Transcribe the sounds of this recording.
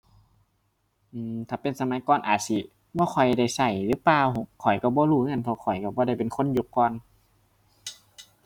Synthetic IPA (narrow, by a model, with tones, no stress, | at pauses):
ʔɯː˧˩mt̪ʰaː˧˩pe˧˨nsa˧˦ma˨˧˦jkɔː˧˩˨nʔa̰ː˨˩t̪̚si˧ | bɔː˧xʰɔ˨˩jda˧˩˨jsa˧˩jlɯː˧˦paː˧˨wkʰɔ˨˩jka˧˩bɔː˧˦luː˧˩˧ŋa˧˥˨npʰɔ˧kʰɔ˨˩jka˧˩bɔː˧˦a˧˩jpe˨nkʰo˧˥˨nju˧˩kːɔː˧˨n